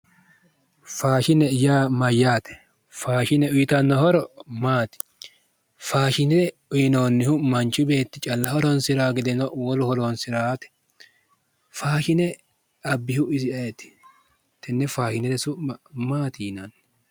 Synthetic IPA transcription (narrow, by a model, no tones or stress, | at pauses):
faːʃɪnɛjaːmɐjːaːt̪ɛ̥ | faːʃɪnɛʊjɪt̪ɐnːɔhɔɾɔmaːt̪ɪ̥ | faːʃɪnɛɾɛ | ʊjɪno̞ːnːɪhʊmɐnt͡ʃʊbe̞ːt̪ːɪt͡ʃʼɐlːɐhɔɾɔnsɪɾaːɡɪd̪ɛnɔwɔlʊhɔɾonsɪɾaːt̪ɛ̥ | faːʃɪnɛ | ɐbːɪhʊʔɪzɪɐɛt̪ːɪ̥ | t̪ɛnːɛfaːʃɪnɪdɛsʊmaːt̪iːnɐn